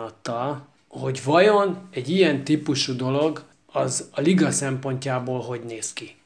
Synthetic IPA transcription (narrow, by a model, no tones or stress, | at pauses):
ɒt̪ːɒl | ho̞ɟvɒjo̞nɛɟijɛnt̪ipuʃud̪o̞lo̞ɡ | ɒzɒliɡɒsɛmpo̞ɲcaːboːlɦo̞ɟneːski